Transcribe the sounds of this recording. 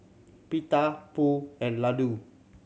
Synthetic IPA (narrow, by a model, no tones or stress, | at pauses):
pit̪apuɛnladu